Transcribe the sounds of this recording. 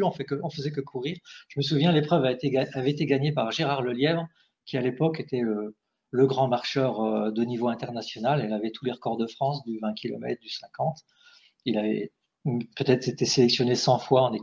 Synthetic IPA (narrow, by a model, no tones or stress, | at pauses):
yɔ̃fɛkəɔ̃fəzɛkəkʰuʁiːʁʒ̥əməs̬uvjɛ̃lepχœvaet̪eaavɛet̪eɡaɲepaʁʒeʁaʁləljɛvʁ | kʲialepɔket̪ɛø | ləɡʁɑ̃maʁʃœʁød̪onivoɛ̃t̪ɛʁnasjɔnalɛlavɛt̪uleʁəkɔʁd̪əfχɑ̃sd̪yvɛ̃kʰʲilɔ̰mɛ̰t̪χd̪ysɛ̃kɑ̃t̪ | ilavɛ̰ | pøt̪ɛt̪χet̪eselɛksjɔnesɑ̃fwaɑ̃ne